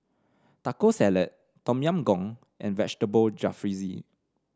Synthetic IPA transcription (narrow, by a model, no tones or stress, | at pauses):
takosɛlət̚ | tɔ̃mjãmɡɔ̃ŋ | ʔɛ̰̃nvɛt͡ʃtəbəld͡ʒafɹizḭ